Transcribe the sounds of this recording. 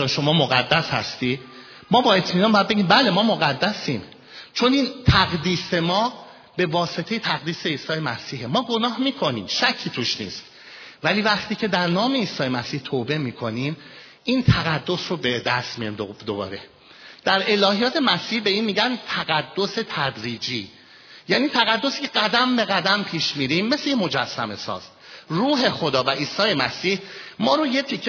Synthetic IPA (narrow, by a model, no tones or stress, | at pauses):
oʃo̞mɒːmo̞ɣæd̪ːæshæ̰st̪iː | mɒːbɒːe̞t̪ʰmiːnɒnbɒjæd̪̚e̞ɟʲiːmbæle̞mɒːmo̞ɣæd̪ːæsiːm | t͡ʃʰo̞niːnt̪ʰæɣd̪iːse̞mɒː | be̞vɒːse̞t̪ʰejet̪ʰæɣd̪iːse̞iːsɒːje̞mæsiːhe̞mɒːɡo̞nɒːhmiːkʰo̞nḭːmʃæcʰːiːt̪ʰuːʃnḭːst̪ | væliːvæχt̪ʰiːcʰe̞d̪æɾnɒːme̞iːsɒːje̞mæsiːht̪ʰoːbe̞miːkʰo̞nim | ʔiːnt̪ʰæɣæd̪ːo̞srobed̪æst̪mijḭmd̪obɒ̰ːɾe̞ | d̪̥æɾe̞lɒːhijɒːt̪ʰe̞mæsiːhbe̞iːnmiːɟænt̪ʰæɣæd̪ːo̞se̞t̪ʰæd̪ɾiːd͡ʒiː | jæːniːt̪ʰæɣæd̪ːo̞siːcʰeɡæd̪æmbe̞ɣæd̪æmpʰiːʃmiɾimːe̞se̞jemo̞d͡ʒæsːæme̞sɒ̰ːz̥ | ruːɦe̞xo̞d̪ɒːvæʔiːsɒːje̞mæsiːhmɒːɾoje̞t̪ʰicʰːe